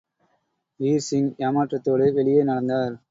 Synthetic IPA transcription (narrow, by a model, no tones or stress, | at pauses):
iːɾsɪŋjaːmaːʈrɐt̪ːoːɽɯʋɛɭɪjeːnɐɽɐnd̪aːɾ